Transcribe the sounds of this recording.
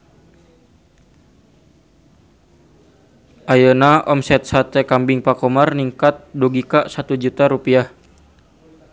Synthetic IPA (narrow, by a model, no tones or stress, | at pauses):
ʔajənaɔmsɛt̪̚sat̪ɛkambiŋpakɔmarniŋkat̪̚duɡikaʔsat̪ud͡ʒut̪aɾupiah